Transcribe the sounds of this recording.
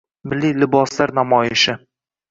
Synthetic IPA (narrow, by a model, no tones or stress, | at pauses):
mɪlːijlɪbɒslaɾnamɒjɪʃɪ